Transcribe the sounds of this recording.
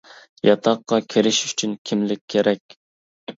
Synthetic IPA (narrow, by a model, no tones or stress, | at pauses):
jɑt̪ʰɑqːɑkʲʰeɾɪʃy̥t͡ʃʰynkʲʰimlɪkʲʰːeɾɛkʲ